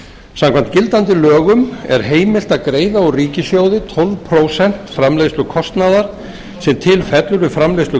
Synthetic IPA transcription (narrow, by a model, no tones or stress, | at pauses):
samkʰvant̪cɪlt̪ant̪ɪlœːɣʏmɛ̰ɾ̥ɦeːjmɪl̥t̪akɾeːjðaɔɣriːcɪsjoːwðɪt̪ʰɔlvpʰɾoːwsɛn̥t̪fɾamlejst̪lʏkʰɔst̪naðaɾ̥ | sɛmt̪ʰɪlfɛt̪lʏɾʏfɾamlejslʏ